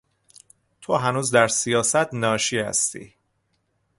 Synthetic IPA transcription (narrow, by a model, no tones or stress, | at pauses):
t̪ʰoɦænuːzd̪æɾsijɒːsæt̪nɒːʃihæ̰st̪ḭː